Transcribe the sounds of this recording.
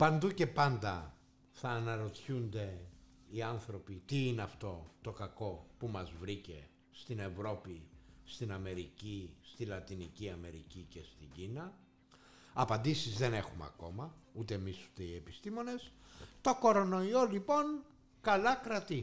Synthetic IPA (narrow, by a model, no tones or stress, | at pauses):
pɐnd̪uce̞pɐnd̪ɐ | θɐːnɐɾo̞t̪çund̪e̞ | iɐnθɾo̞pit̪iineɐft̪o̞t̪o̞kɐko̞pumɐzvɾice̞̰ | st̪ine̞vɾo̞pist̪inɐme̞ɾicist̪ilɐt̪iniciɐme̞ɾḭcice̞st̪iɲɟinɐ | ɐpɐnd̪isizðe̞ne̞xumeɐ̰ko̞mɐut̪e̞ːmisu̥t̪e̞ie̞pist̪imo̞ne̞st̪o̞ko̞ɾo̞no̞io̞lipo̞n | kɐlɐkɾɐt̪i